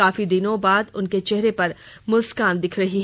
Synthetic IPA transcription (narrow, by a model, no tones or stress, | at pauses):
aːfid̪ɪnõbaːd̪ʊnket͡ʃɛɦɾepɐɾ | mʊskãːnd̪ɪkʰɾɐɦiɦ